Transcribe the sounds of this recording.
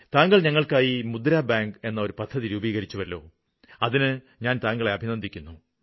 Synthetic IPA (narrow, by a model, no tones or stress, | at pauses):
t̪aːŋɡɐɭɲɐŋːɐɭkaːjimud̪ɾaːbaːŋɡe̞nːɐo̞ɾupɐd̪ʱːɐðiɾuːbiːɣɐɾit͡ɕːuʋɐlːo̞̰ː | ɐðinɨ | ɲaːnt̪aːŋɡɐɭeɐbʱinɐnd̪ikʲːunːu